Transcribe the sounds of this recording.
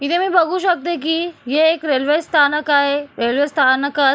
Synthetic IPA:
it̪ʰemiːbəɡʱuːɕək̚t̪ek̬iːɦeːkɾelʋest̪ʰanəkaɦeɾelʋest̪ʰanəkə

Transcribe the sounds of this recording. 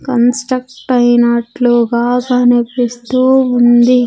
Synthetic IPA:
kɐnsʈɾɐk̚ʈɐjnɐʈluɡaːkɐnepːist̪uːund̪i

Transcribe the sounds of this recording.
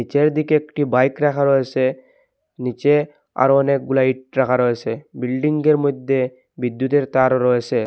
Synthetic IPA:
nit͡ʃeɾd̪ikeekʈibajkɾakʰaɾɔet͡ɕʰe | nit͡ʃe | a̰ɾɔnek̚ɡulaiʈ̚ɾakʰaɾɔesʰebilɖiŋɡeɾmɔjd̪ʱːe | bid̪jut̪eɾt̪aɾoɾɔet͡ɕʰe

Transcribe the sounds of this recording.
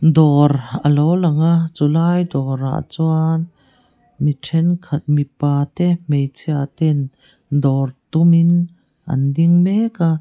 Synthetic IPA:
d̪ɔrʔəlowlɐŋaʔt͡sulaːjd̪ɔɾa̰ʔt͡suan | miʈʰɛnkʰɐt̪̚mipaːt̪ɛmejt͡sʰiat̪ɛn | d̪ɔrt̪umin | ʔɐ̰nd̪iŋmɛka

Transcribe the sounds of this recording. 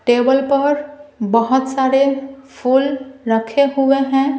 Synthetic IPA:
ʈeːbəlpəɾbəɦʊt̪saːɾepʰuːlɾəkʰeɦueɦɛ̃ː

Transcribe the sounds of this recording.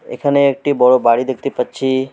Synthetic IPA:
ḛkʰəneːk̚ʈibɔɭobaɽid̪ek̚ʰt̪ipət͡ʃʰi

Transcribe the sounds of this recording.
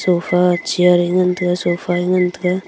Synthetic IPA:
sofat͡ʃiaɾiŋənt̪əkasofaiŋəntəka

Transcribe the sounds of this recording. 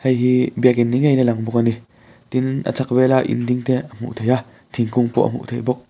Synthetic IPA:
hejɦibiəkinːiŋejnɛlaŋbʊk̚ani | t̪inʔɐ̰t͡sʰak̚vɛlaʔḭndiŋt̪ɛəm̥ṵʔt̪ʰeja | t̪ʰiŋkʊŋpɔ̰ʔɐ̰m̥ṵʔt̪ʰejbɔk̚

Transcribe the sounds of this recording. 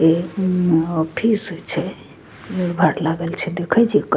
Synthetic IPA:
e | ɔpʰisɦojt͡ʃʰɛ | bʱaɾlaɡɛlt͡ʃʰɛd̪ekʰɛt͡ʃʰik

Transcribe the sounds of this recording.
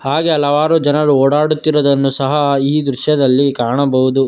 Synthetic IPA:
haːɡe̞ɐlɐʋaːɾud͡ʒɐnɐɾuoːɽaːɽut̪ːiɾɔd̪ɐnːusɐɦɐiːd̪ɾuʃjɐd̪ɐlːikaːɾɳɐbɐɦud̪u

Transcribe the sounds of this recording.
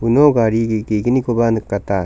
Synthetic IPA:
unoɡaɾiɡiɡeɡinikobanɯkat̪a

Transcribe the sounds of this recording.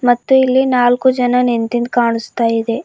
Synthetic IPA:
mɐt̪ːuilːinaːlkud͡ʒɐnɐnent̪ind̪kaːɳust̪aːjid̪e̞

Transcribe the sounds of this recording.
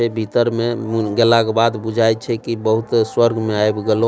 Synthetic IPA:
ɛbʱit̪əɾmeɡɛlakebad̪bud͡ʒʱajt͡ʃʰɛkibəɦut̪swəɾɡʱmeaebɡelo

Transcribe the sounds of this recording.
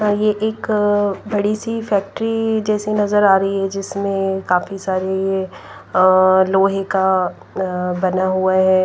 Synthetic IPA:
jeʔeːkbɐɽisifɛːk̚ʈɾid͡ʒɛːsenɐzəɾaːɾɐiɦɛd͡ʒɪsmẽkaːfisaːɾeje | loːɦeka | bɐnaɦuaɦɛː

